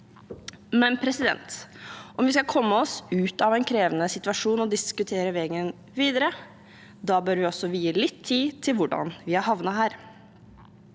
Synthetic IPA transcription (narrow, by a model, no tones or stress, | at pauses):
mɛnpʰɾɛsɪd̪ɛ̰nt̪ʔɔmʋɪskɑlkʰɔmːəɔsʉːt̪ɑʋɛɪnkʰɾeːʋənəsɪt̪ʋɑʂuːnɔd̪ɪskʉt̪ʰeːɾəʋɛːɡən | ʋiːd̪əɾə | d̪ɑːbøːɾʋɪɔsɔʋiːjiːlɪt̪ʰːiːt̪ʰɪlʋʊɖɑ̰nʋɪhɑɾhɑʋnɑɦæːɾ